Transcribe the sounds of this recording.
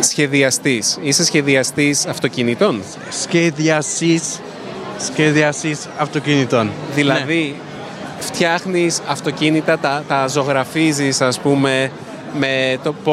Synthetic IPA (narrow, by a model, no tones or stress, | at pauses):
sçe̞ðiɐst̪isisesçe̞ðiɐst̪isɐft̪o̞cinit̪o̞n | sçeðiɐsisː | çeðiɐsisɐft̪ocinit̪onðilɐði | ft̪çɐxnisɐft̪o̞cinit̪ɐt̪ɐt̪ɐzo̞ɣɾɐfizisɐspume̞ | me̞t̪opo